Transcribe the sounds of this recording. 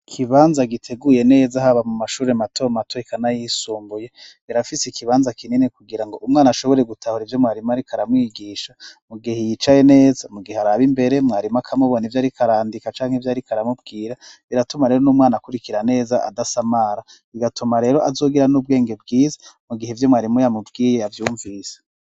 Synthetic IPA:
kʰiβaːnzaɡitʰe̞ɡuje̞ne̞ːzaɦaβamumaʃuːɾematʰo̞matoikʰanajisuːmbuje̞ | iɾafisekiβaːnzakininekuɡiɾaŋɡo̞ʔumŋaːnaʃo̞βo̞ɾe̞ɡutʰahuɾivjo̞mŋaːɾimaɾikʰaɾamŋiːɡiːʃamuɡihejit͡ʃaje̞ne̞ːzamuɡiheaɾaβimbe̞ɾemŋaːɾimakʰamuβonivjaːɾikʰaɾaːndikat͡ʃaːŋhevjaːɾikaɾamubɡiːɾaiɾatumaɾeːɾonuːmŋaːnakuɾikiɾane̞ːzaʔa̰dasamaɾa | iɡatʰumaɾe̞ːɾo̞ʔazo̞ːɡiɾanub̚ɡe̞ːŋɡe̞bɡiːzḁmuɡihevjo̞mwaːɾimujamubɡiːje̞avjuːɱvise̥

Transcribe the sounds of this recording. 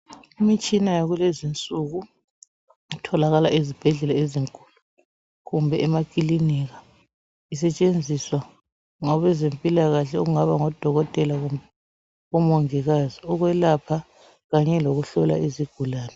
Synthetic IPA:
imit͡ʃʼinajaɣulezint͡sʼuɣu | itʰɔlaɣalaʔizib̥ʱɛɮɛlaeziŋkʼu̥lu | ɣumbʱɛʔɛmakʼiliniɣa | is̬ɛt͡ʃʼend͡zʱiswa | ŋɔβɛzempʼilaɣaɬɛoɣuŋaβaŋɔd̥ʱɔɣɔtʼɛlaɣumbɛ | ɔmɔŋiɣaziɔɣwɛlapʰa | ɣaɲɛloɣuɬɔla̰iziɡ̥ʱulaːnɛ

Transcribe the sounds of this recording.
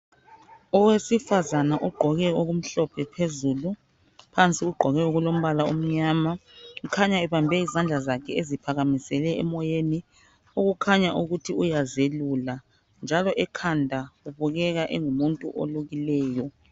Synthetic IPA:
ɔwesifazanaʔɔɡ͡ǃʱɔɣɛoɣum̩ɬɔpʰɛpʰezulu | pʰant͡sʼiuɡ͡ǃʱɔɣɛoɣulom̩βalaom̩ɲamaukʰaɲaɛβambʱɛizand͡ɮʱazakʰɛezipʰaɣamisɛlɛɛmɔjeni | uɣukʰaɲaʔuɣutʰiujazelula | nd͡ʒʱalɔʔɛkʰandʱauβuɣɛɣaʔɛŋumuntʼṵʔo̰luɣilɛːjɔ

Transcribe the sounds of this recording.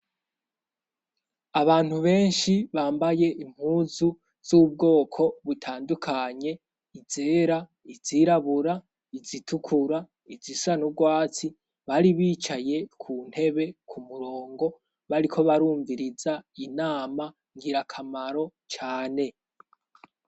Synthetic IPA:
aβaːn̥huβe̞ːnʃiβaːmbaje̞ʔim̥huːzu | z̥uːb̚ɡo̞ːkʰo̞βutʰaːndukʰaɲe̞ | izeːɾa | iziɾaβuɾa | izitʰukʰuɾa | izisanub̚ɡwaːt͡si | βaɾiβiːt͡ʃaje̞kʰuːn̥he̞βe̞kʰumuɾo̞ːŋɡo̞ | βaɾikʰo̞βaɾuːɱviɾizainaːma | ŋɡiɾakʰamaɾo̞t͡ʃaːne̞

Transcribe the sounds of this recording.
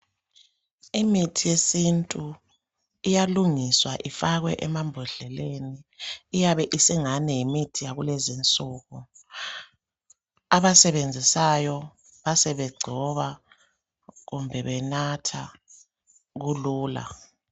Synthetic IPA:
imitʰijesintʼu | ijaluŋiswaʔifaɣwɛ̰ʔɛmambʱɔɮɛleniːjaβɛʔisɛŋanɛjimitʰijaɣulɛzint͡sʼuːɣu | aβasɛβend͡zʱisajɔ | βasɛβɛɡ͡ǀʱɔβa | ɣumbʱɛβɛnatʰa | ɣuluːla̰

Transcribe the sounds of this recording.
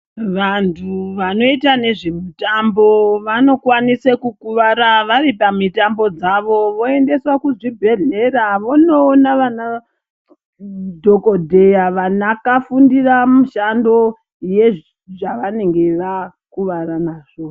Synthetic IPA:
ʋantʰuʋano̞itane̞ʐemutambo̞ʋano̞kwanisekukuʋaɾaʋaripamitambo̞d͡zaʋo̞ʋo̞e̞nde̞swakuʐibʱe̞ɮe̞ɾaʋonoːnaʋana | dʱo̞ko̞dʱe̞jaʋanakafundiramuʃando̞ | je̞ | ʐaʋane̞ŋɡe̞ʋa | kuʋaranaːʐ̥o̞

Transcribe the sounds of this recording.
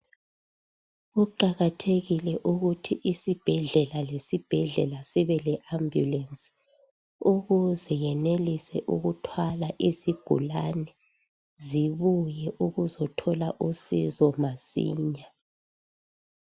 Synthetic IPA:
ɣuǃaɣatʰeɣilɛʔuɣutʰiʔisib̥ʱɛɮɛlalesib̥ʱɛɮɛlasiβɛlɛʔambʱjṵlɛnsi̥ | uɣuzɛjɛnelisɛʔuɣutʰwalaʔiziɡ̥ʱṵlanɛ | ziβujɛʔuɣuzɔtʰɔlaʔusizɔmasḭːɲa

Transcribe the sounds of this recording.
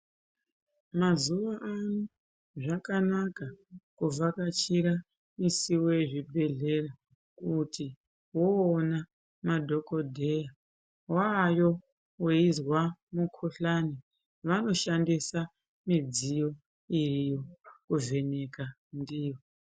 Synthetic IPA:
mazuʋaʔanu | ʐakanakakuvakat͡ʃiɾa | misiwojeʐibʱe̞ɮe̞ra | kutʰi | woːna | madʱo̞ko̞dʱeja | wajo̞ | weizwamukʰuɬani | ʋano̞ʃandisa | mid͡zijo̞ | irijokuve̞ne̞ka | ndiːjo

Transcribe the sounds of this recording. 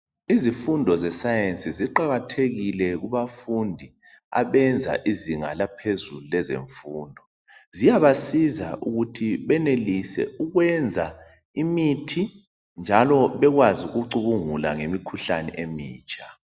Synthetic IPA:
izifundʱɔzɛsajensʼiziǃaɣatʰeɣilɛɣuβafundʱi | a̰βɛnd͡zʱa̰ʔiziŋa̰lapʰezululɛzḛɱfuːndʱɔ | zijaβasiza̰ʔuɣutʰiβɛnelisɛ̰uɣwɛnd͡zʱa | imitʰi | nd͡ʒʱalɔβɛɣwazuɣuǀuβuŋula̰ŋemikʰuɬanɛ̰ʔemiːt͡ʃʼʰa

